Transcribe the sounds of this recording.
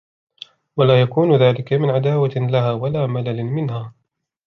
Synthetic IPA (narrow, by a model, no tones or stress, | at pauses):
walaːjakuːnʊðaːlɪkamɪnʕad̪aːwalahaːwalaːmalalɪnmɪnhaː